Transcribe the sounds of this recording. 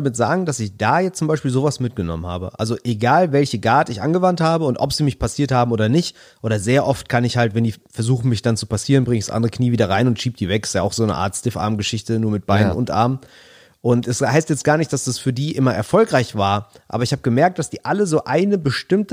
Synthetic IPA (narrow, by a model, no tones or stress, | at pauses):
amɪtz̥a̰ːɡŋ̩d̥asɪçd̥aːjɛt͡sʊmbaɪʃpiːlzoːvasmɪt̚ɡ̥ənɔ̰mənha̰ːbə̰ʔa̰lzoʔeɡaːlvɛlçəɡaːtɪçʔa̰nɡəvanthaːbəʊntʔɔ̰pz̥iːmɪçpʰasiːɐthaːbm̩ʔoːdɐnɪçt | ʔoːɾɐzeːɐʔɔftkʰanɪçhaltvɛndiːfɛɐzuːxn̩mɪçd̥ant͡su̥pasiːʁənbʁɪŋɪçsʔa̰ndəʁəkʰniːviːdɐʁaɪnʊntʃiːp̚d̥iːvɛkɪ̥sjaaʊxz̥oːnəʔa̰ːɐtstɪfʔa̰ɐmɡəʃɪçtənuːɐmɪt̚b̥aɪnənʊ̰ntʔa̰ɐm | ʔʊntɛshaɪstjɛt͡stɡ̥aːɐnɪçtd̥asd̥asfyːɐdiːʔɪmɐʔɛɐfɔlkʁ̥aɪçv̥aːɐʔa̰ːbɐɪçhaːbəɡəmɛɐk̚td̥asd̥iːʔaləzoːʔaɪnəbəʃtɪmt